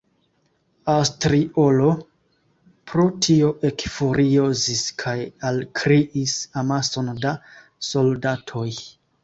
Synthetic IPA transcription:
awstɾio̞lo̞ | pɾo̞tʰio̞ʔe̞kfoɾioziskʰajalkʰɾiʔisamaso̞nda | so̞ldatʰo̞j

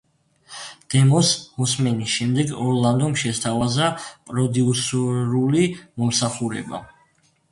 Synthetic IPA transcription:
d̪̥ɛmɔsmɔsmɛnisʃɛmd̪ɛɡɔɾlˠand̪ɔmʃɛst̪ʰavazapʼɾɔd̪iusuɾulimɔmsaχuɾɛ̰ba̰

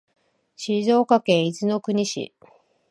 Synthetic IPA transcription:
ɕizo̞ːkakẽ̞izɨno̞kɯ̟ɲ̟iɕḭ

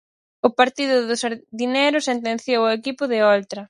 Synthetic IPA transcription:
ʊpaɾt̪iðʊðʊsaɾðinejɾʊsent̪̬ẽnθjowʊekipʊðɪolt̪ɾɐ

